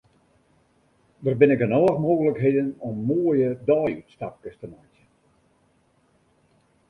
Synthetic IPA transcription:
dərbɪnɪkənɔːəxmoːɣələkɦeːdənɔmːoəjədɔːjytstap̚kəstəmajtə

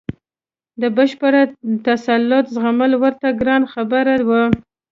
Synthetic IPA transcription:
d̪əbaʃpəɽat̪asalːʊt̪zɣaməlwəɾt̪aɡɾɑnxabaɾawa

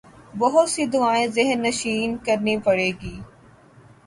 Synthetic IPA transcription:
bɐɦʊt̪sid̪ʊaːẽzɪɦənːɐʃiːnkɐɾnipɐɽeːɡiː

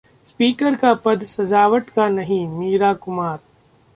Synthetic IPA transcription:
spiːkəɾkapɐd̪sɐzaːʋəʈkanɐɦĩmiːɾaːkʊmaːɾ

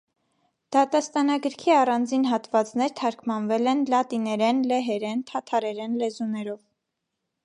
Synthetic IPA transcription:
d̪̥ɑt̪ɑst̪ɑnɑɡəɾkʰiɑrɑnd͡zinɦɑt̪vɑt͡snɛɾt̪ʰɑɾkʰmɑnvɛlɛnlɑt̪inɛɾɛnlɛɦɛɾɛnt̪ʰɑt̪ʰɑɾɛɾɛnlɛzunɛɾɔv

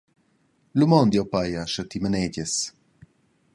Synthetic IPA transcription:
lumɔnd̪iopajaʃət̪iməneɟes

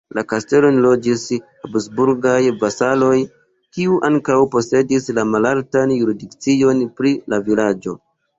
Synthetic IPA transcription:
lakaste̞lo̞nlo̞d͡ʒis | absbuɾɡajbasalo̞j | kiuʔaŋkawpo̞se̞dislamalaltanjuɾidikt͡sio̞npɾilavilad͡ʒo̞

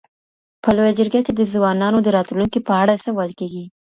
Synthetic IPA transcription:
pəlojad͡ʒəɾɡaked̪əzwɑnɑnod̪əɾɑt̪luŋkipəaɽasəwəlkeɡi

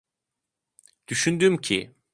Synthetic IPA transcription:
d̪̥yʃynd̪ymcʰḭ

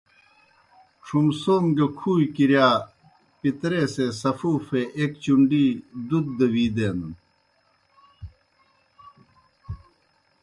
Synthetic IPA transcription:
ʈ͡ʂʰumsoːmɡɐkʰuːjkiɾjaː | pit̪ɾeːseːsɐfuːfeʔekt͡ɕuɳɖiːd̪ud̪̚ːɐwiːd̪eːnɐn

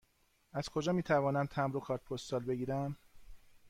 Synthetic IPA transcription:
æz̥kʰo̞d͡ʒɒːmiːt̪ʰævɒːnæmt̪ʰæmɾokʰɒːɾt̪̚pʰost̪ɒːlbe̞ɡiːɾæm

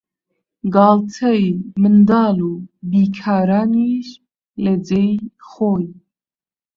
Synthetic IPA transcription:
ɡɑːlt̪ʰəjmɨnd̪ɑːluːbiːkʰɑːɾaːniːʃ | ləd͡zejχoːj

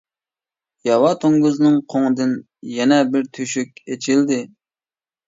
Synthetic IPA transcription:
jɑwɑt̪ʰoŋɡuznɨŋqʰoŋɨd̪ɨn | jɛnɛbɪɾt̪ʰyʃykʲet͡ʃʰild̪ɪ

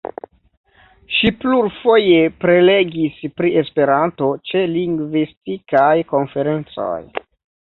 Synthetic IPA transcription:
ʃipluɾfo̞je̞pɾe̞le̞ɡispɾie̞spe̞ɾanto̞t͡ʃe̞liŋɡvistikajko̞nfe̞ɾe̞nt͡so̞̰j

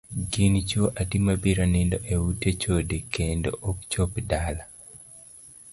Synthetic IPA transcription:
ɡɪnt͡ʃoʔatimabiɾanɪndoʔewutet͡ʃodekendo̰ʔɔkt͡ʃopdala

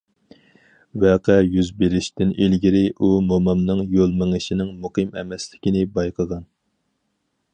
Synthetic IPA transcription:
wɛqʰɛjyzbeɾɪʃt̪ɪnelɡʲiɾɪʔumomɑmnɨŋjolˠmɨŋɨʃinɪŋmuqʰɨmɛ̰mɛslɪkʲinɪbɑjqʰəʁɑn

